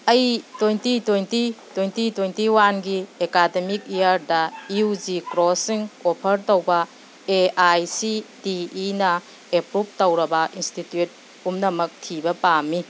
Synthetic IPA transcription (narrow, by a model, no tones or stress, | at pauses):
ɐjtojntitojntitwojntitwejntiwanɡiekademik̚ejaɾdɐiud͡ʒikɾɔsiŋɔpʰɐɾtowbɐ | eajsidiːnɐ | epɾup̚tɐwɾɐbɐʔinstitjut̚ | pumnɐmɐk̚tʰibɐpami